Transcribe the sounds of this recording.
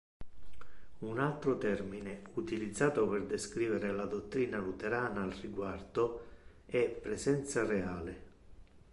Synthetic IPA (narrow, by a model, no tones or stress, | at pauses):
unalt̪ɾot̪ɛrminɪut̪ilid̪zːaːt̪opɪrd̪eskɾiːveɾelad̪ot̪ːɾiːnalut̪eɾaːnaːlriɡward̪o | ɛpːɾesɛnt̪sareaːle